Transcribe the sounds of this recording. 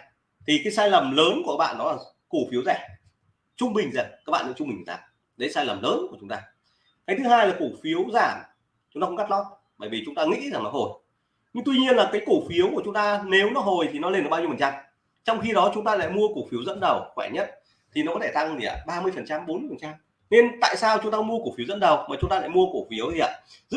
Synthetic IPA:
t̪ʰi˨˩kaː˨˦jsaː˧jlə˨˩mləː˨˦nku˧˩kaː˦˥ɓa̰ː˧˨nːɔ˨˦laː˨˩ | ku˧˩fi˨˦wzɛ˧˩ | t͡ɕʊ˧ŋ͡mɓï˨˩ŋ̟za˨˩ŋka˦˥k̚ɓa̰ː˧˨nɨ̰˧˦˥t͡ɕʊ˧ŋ͡mi˨˩ŋ˨˩t̪a̰ː˧˩m | ɗə˨˦jsaː˧jlə˨˩mləː˨˦nku˧˩ət͡ɕʊ˨˦ŋ͡mt̪aː˧ | kaː˨˦jt̪ʰɨ˨˦haː˧jlaː˨˩ku˧˩fi˨˦əwzaː˧˩m | t͡ɕʊ˨˦ŋ͡mt̪a̰ː˧˦ɡa˦˥t̚lɔ˦˥t̚ | ɓəː˧˩jvi˨˩t͡ɕʊ˨˦ŋ͡mt̪aː˧ŋḭ˧˥za˨˩ŋlɔ˨˦ɦo˨˩j | ɲɨ˧ŋt̪wi˧ɲi˧ənlaː˨˩kaː˨˦jku˧˩fi˨˦əwkət͡ɕʊ˨˦ŋ͡mt̪aː˧ne˨˦wnɔ˨˦ɦo˨˩jt̪ʰi˨˩nɔ˨˦le˧nʔɓaː˧ɲi˧fə˨˩t͡ɕa˧m | t͡ɕɔ˧wŋ͡mxi˧ɗɔ˨˦t͡ɕʊ˨˦ŋ͡mt̪aː˧la̰ː˧˨jmu˧əko˧˩fi˨˦əwzə̰˧˥nɗə˨˩wxwɛ˧˩ɲə˦˥t̚ | t̪ʰi˨˩nɔ˨˦kɔ˨˦t̪ʰe˧˩t̪a˧ŋli˧˩a̰˨˩ɓaː˧mɨ˧əjfə˨˩nt͡ɕa˧mɓo˨˦nmɨ˧əjfə˨˩nt͡ɕa˧m | ne˧nt̪a̰ː˧˨jsaː˧wt͡ɕʊ˨˦ŋ͡mt̪aː˧˥mu˧ə˧ku˧˩fi˨˦əwzə̰˧˥nɗə˨˩wmaː˨˩t͡ɕʊ˨˦ŋ͡mt̪aː˧la̰˧˨jmu˧əko˧˩fi˨˦əwt̪i˨˩a̰ː˧˨ | zɨ̰˦˥

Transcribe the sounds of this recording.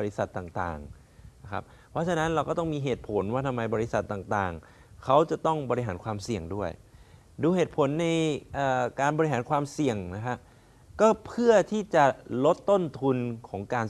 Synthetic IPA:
ɔ˧ɾi˦˥sa˨˩t̪ːaː˨˩ŋt̪a̰ː˨˩ŋ | a˦˥kʰa̰˦˥p̚ | pʰːɾɔ˦˥t͡ɕʰa˧na˦˥nɾa˧wkɔː˥˩t̪ɔ˥˩ŋmiː˧ɦeː˨˩t̪̚pʰo˩˦nwaː˥˩t̪ʰa˧mːa˧jbɔː˧ɾi˦˥sa˨˩t̪ːaː˨˩ŋt̪aː˨˩ŋ | kʰa˦˥wt͡ɕa˨˩t̪ɔ˥˩ŋbɔː˧ɾi˦˥ɦaː˩˦nkʰwaː˧msi˨˩əŋdu˥˩əj | duː˧ɦeː˨˩t̪̚pʰo˩˦nːa˧jʔaː˨˩kaː˧nbɔː˧ɾi˥ɦaː˩˦nkʰwaː˧msi˨˩əŋna˦˥kʰa˦˥ | kɔː˥˩pʰɯ˥˩ɐt̪ʰiː˥˩t͡ɕa˨˩lo˦˥t̪ːo˥˩nt̪ʰu˧nkʰɔː˩˦ŋkaː˧n

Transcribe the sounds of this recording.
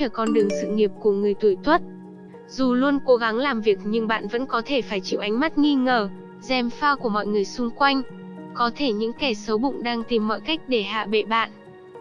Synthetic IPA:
əː˧˩kɔ˧˩nɗɨ˨˩əŋsɨ̰˧˨ŋi˨˩əp̚ku˧˩əŋɨ˨˩əjt̪u˧˩jt̪ʰwə˦˥t̚ | zu˨˩lu˧ənko˨˦ɣa˨˦ŋlaː˨˩mvi˨˩ək̚ɲɨ˧ŋɓa̰ː˧˨nvə̰˧˥nkɔ˨˦t̪ʰe˧˩faː˧˩jt͡ɕḭ˧˨wʔa˨˦jŋ̟ma˦˥t̚ŋi˧ŋəː˨˩ | zɛ˨˩mfaː˧wku˧˩əmɔ̰˧˨jŋɨ˨˩əjsʊ˧ŋ͡mkwa˧jŋ̟ | kɔ˨˦t̪ʰe˧˩ɲɨ̰˧˥ŋkɛ˧˩sə˨˦wɓʊ̰˧˨ŋ͡mɗaː˧ŋt̪i˨˩mːɔ̰˧˨jka˦˥jk̟̚ɗe˧˩ha̰ː˧˨ɓḛ˧˨ɓa̰ː˧˨nʔ

